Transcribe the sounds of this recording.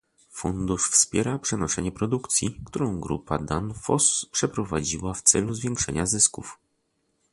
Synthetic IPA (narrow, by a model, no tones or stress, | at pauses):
fund̪uʂfspʲjɛɾapʂɛnɔʂɛɲɛpɾɔd̪ukt̪sʲjikt̪uɾɔ̃w̃ɡɾṵpad̪anfɔspʂɛpɾɔvad͡ʑiwaft̪sɛluzvʲjɛŋkʂɛ̰ɲazɘskuf